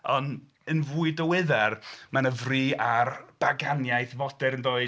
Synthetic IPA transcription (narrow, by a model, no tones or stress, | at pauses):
ɔn | ənvuːɨdəwɪðɛrmanəvriːarb̥aɡanjajθvɔdɛɾənðoːɨ